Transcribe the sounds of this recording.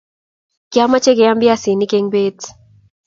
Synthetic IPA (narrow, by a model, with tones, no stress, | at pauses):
kja˦ma˦t͡ʃe˦kɛ˨ja˦mbɪ˦a˦si˨ni˦ke˦ŋbe˦t